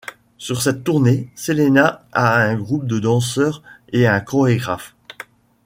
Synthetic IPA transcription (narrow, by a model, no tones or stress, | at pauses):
syʁsɛt̪ːuʁneselenaaɛ̃ɡʁup̚d̪əd̪ɑ̃s̬œːʁeɛ̃kɔʁeɡʁaf